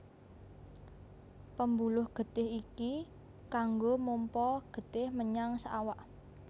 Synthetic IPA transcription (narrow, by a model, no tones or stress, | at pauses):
pəmbulʊhɡ̥ə̤t̪ɪhiki | kaŋɡomompɔɡ̥ə̤d̪̥ɪhməɲaŋsəawaʔ